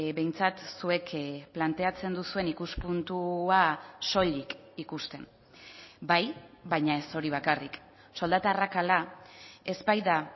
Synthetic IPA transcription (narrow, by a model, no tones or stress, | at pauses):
be̞jnt͡sat̪sue̞kʰplant̪e̞at͡se̞nd̪usue̞nikuspunt̪uaso̞ʎik | ikust̪e̞n | bajbajɲae̞so̞ɾiβ̞akarik | so̞ld̪at̪arakalae̞zbajða